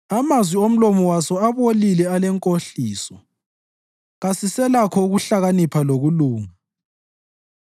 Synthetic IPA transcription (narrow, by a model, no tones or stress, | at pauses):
amazwiom̩lɔmɔwasɔaβolilɛalɛŋkʼoɬiːsɔ | ɣasisɛlakʰɔuɣuɬaɣanipʰaloɣuluːŋa